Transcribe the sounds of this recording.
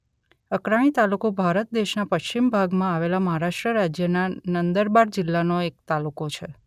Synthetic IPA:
əkɾaɽ̃it̪alukobʱaɾət̪̚d̪eʃnapəʃt͡ʃimbʱaɡmãaʋelaməɦaɾaʃʈɾəɾad͡ʒjənanənd̪əɾbaɾd͡ʒɪlːanoek̚t̪alukot͡ʃʰe

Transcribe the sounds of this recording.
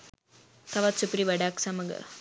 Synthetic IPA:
t̪ɐʋaːt̪supɾiʋɐɖaːksɐmɐɡɐ̰

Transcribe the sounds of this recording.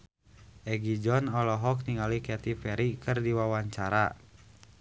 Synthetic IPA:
ʔɛɡid͡ʒɔnɔlɔɦɔk̚niŋalikɛt̪ipɛɾikʰɨrdiwawaɲt͡ʃaɾa̰

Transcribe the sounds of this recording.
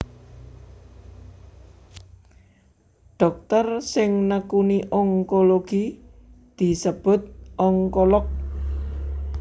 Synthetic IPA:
ɖ̥ɔ̤k̚t̪ərsɪŋnəkuniʔɔŋkoloɡ̥i | d̪̥i̤səb̥ʊ̤t̪̚ʔɔŋkɔlɔk̚

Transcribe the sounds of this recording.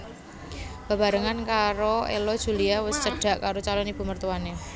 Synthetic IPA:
b̥a̤ba̤ɾəŋankaɾoḛlɔd̥ʒ̥ṳliawəst͡ʃəɖ̥a̤ʔkaɾot͡ʃalɔnib̥ṳmərt̪uwane

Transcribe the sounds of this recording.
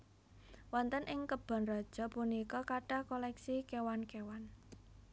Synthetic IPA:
wɔnt̪ənʔɪŋkəb̥a̤nrɔd̥ʒ̥ɔ̤punikɔkaʈahkɔlɛksikewankewan

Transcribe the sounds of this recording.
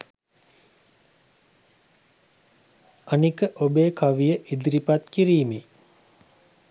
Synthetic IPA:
anikəʔobeːkaʋijəʔid̪iɾipat̪kiɾiːme

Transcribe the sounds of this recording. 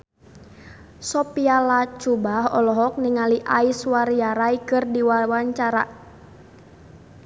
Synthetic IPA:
sɔpialat͡ʃubaɦɔ̰lɔɦɔk̚niŋaliʔaiswaɾiaɾaikɨrdiwawaɲt͡ʃaɾa̰

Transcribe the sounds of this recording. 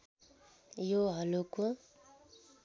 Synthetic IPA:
joɦʌloko

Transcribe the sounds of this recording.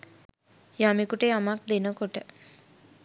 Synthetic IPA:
jamikuʈeːamak̚d̪enəkoʈə

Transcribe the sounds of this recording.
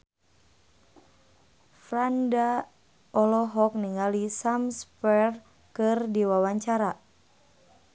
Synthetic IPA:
fɾanda | ɔlɔɦɔk̚niŋalisamspɛr | kɨrdiwawaɲt͡ʃaɾa

